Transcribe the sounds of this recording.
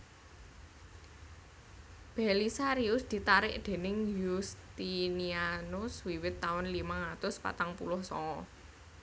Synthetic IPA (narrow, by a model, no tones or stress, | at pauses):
b̥ɛlisaɾiʊsd̪̥i̤t̪aɾɪʔd̪̥e̤nɪŋjust̪inianʊswiwɪt̪ːaʊnlimaŋat̪ʊspa̰t̪aŋpulʊhsɔ̰ŋɔ